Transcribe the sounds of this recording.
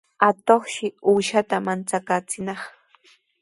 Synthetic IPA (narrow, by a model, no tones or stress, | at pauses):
at̪oχʃɪuːʃat̪amant͡sakaːt͡sɪnɑχ